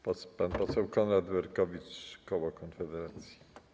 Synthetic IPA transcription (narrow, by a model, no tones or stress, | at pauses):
ppanpɔsɛwkɔnɾad̪bɛɾkɔvʲit͡ʂkɔwɔkɔnfɛd̪ɛɾat̪sʲji̥